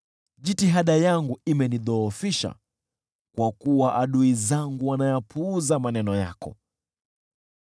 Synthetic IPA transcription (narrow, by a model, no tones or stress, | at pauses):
ʄitiɦaɗajaŋɡuimɛniðɔːfiʃa̰ | kwakuwaʔaɗuizaŋɡuwanajapʰuːzamanɛnɔja̰kɔ̰